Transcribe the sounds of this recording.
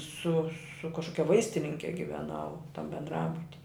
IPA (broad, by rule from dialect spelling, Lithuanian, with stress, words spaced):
sʊ sʊ kɐʃˈkoːkʲɛ ˈʋɐɪsʲtʲɪnʲɪŋʲkʲɛ ɡʲɪʋʲɛˈnɐʊ ˈtɐm bʲɛndˈrɑːbʊtʲɪ